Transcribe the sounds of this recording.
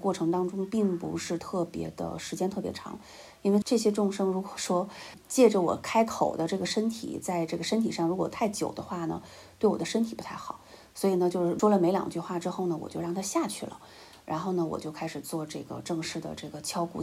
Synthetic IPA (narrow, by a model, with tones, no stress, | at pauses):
kwɔ˥˩ʈ͡ʂʰɤ˧˥ŋt̪ɑ˥ŋʈ͡ʂʊ˥ŋpi˥˩ŋpṵ˧˥ʂɻ̩˥˧t̪ʰɤ˥˩pjɛ̰˧˥d̪ə̰˧ʂɻ̩˧˥t͡ɕjɛ˥nt̪ʰɤ˥˩pjɛ˧˥ʈ͡ʂʰɑ̰˧˥ŋ | i˥nwe˥˧ɪʈ͡ʂɤ˥˩ɕjɛ˥ʈ͡ʂʊ˥˩ŋʂɤ˥ŋɻu˧˥kwɔ̥˨˩ʂwɔ˥ | t͡ɕjɛ˥˩ʈ͡ʂə˩wɔ̰˨˩kʰa˥ɪkʰo˨˩ʊd̪ə˦ʈ͡ʂɤ˥˩ɡə˩ʂə˥nt̪ʰḭ˨˩t͡sa˥˧ɪʈ͡ʂɤ˥˩ɡə˩ʂə˥nt̪ʰi˨˩ʂɑ˥˩ŋɻu˧˥kwɔ˨˩t̪ʰa˥˩ɪt͡ɕjo˨˩ʊd̪ə˦xwa˥˩nə̰˩ | t̪we˥˩ɪwɔ̰˨d̪ə˦ʂə˥nt̪ʰi˨˩pu˧˥t̪ʰa˥˩ɪxɑ˨˩˦ʊ | swɔ˧˥i˨˩nə˧t͡ɕjo˥˧ʊʂɻ̩˥˩ʂwɔ˥lə˨me˧˥ɪljɑ̰˨˩ŋt͡ɕy˥˧xwa˥˩ʈ͡ʂɻ̩˥xo˥˩ʊnə˩wɔ̰˨t͡ɕjo˥˧ʊɻɑ˥˩ŋt̪ʰa˥ɕja˥˧t͡ɕʰy˥˩lə̰˩ | ɻa̰˧˥nxo˥˩ʊnə˩wɔ̰˨˩t͡ɕjo˥˩ʊkʰa˥ɪʂɻ̩˨˩t͡swɔ˥˧ʈ͡ʂɤ˥˩ɡə̰˩ʈ͡ʂɤ˥˧ŋʂɻ̩˥˩d̪ə̰˩ʈ͡ʂɤ˥˩ɡə˩t͡ɕʰjɑ˥ʊkṵ˧˥˩